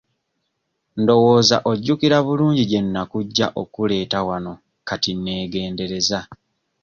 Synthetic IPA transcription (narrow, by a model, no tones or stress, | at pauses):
ndo̞wo̞ːza̰ʔo̞ɟːukiɾaβuluːɲɟiɟe̞nːakuɟːa̰ʔo̞kule̞ːtawano̞ | katinːe̞ːɡe̞ːnde̞ɾe̞za